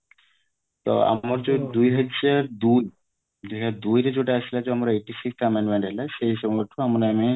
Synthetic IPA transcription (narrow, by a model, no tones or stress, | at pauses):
t̪ɔ̰a̰maɾd͡ʑod̪ujɦad͡ʑaɾd̪uj | d͡ʑekʰad̪ujɾad͡ʑoʈeasʰilad͡ʑeamaɾejʈisiksʈʰameɳɖmeɳʈɦelaʃeɦiʃɔboʈʰoamaɾeami